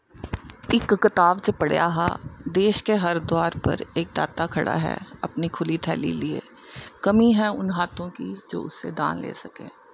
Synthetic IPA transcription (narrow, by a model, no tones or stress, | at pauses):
ɪkːɪt̪aːʋt͡ʃəpɐɽ̤ja̰ːɦa̰d̪eːʃkeɦɐɾd̪waːɾpɐ̰ɾeːk̚d̪a̰ːt̪akʰɐɽa̰ɦɛ̰ɐpnikʰʊlit̪ʰɛːlḭliḛː | kɐmiɦɛʊnɦaːt̪õkid͡ʒo̰ːʊsːed̪ãːnlḛːsɐkḛ̃ː